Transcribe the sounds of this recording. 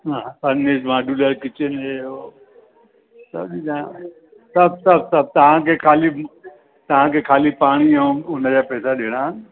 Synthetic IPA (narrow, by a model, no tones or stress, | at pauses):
ɦãːpɐnːeːd͡ʑmaːɖuləɾkɪt͡ɕenɦeo | sɐ̰bɗid̪̃ | sɐbsɐb̚sɐb̚t̪ɐʋ̤ãkʰekʰaːli | t̪ɐʋ̤ãkʰekʰaːlipaːɽ̃iɛ̃ʊnəd͡ʑaːpɛːsaɗeːɽ̃aɦənɪ